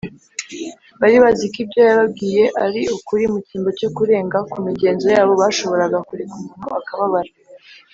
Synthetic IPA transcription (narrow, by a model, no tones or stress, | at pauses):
βaɾiβazikibɟo̞jaβab̚ɡiːje̞ʔaɾiukuɾimuciːmbo̞co̞kuɾe̞ːŋɡakumiɟe̞ːnzo̞jaːβo̞βaʃo̞βo̞ɾaɡakuɾekumuːn̥uakaβaβaɾa